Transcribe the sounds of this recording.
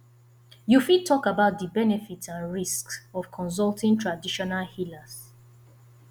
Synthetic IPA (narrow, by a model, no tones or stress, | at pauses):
jufid̚tʰɔkabaʊt̚dəbɛnɛfitsãnɹisksɔv̥kʰɔ̃ns̬ɔltĩntʰɹadiʃɔnalhilas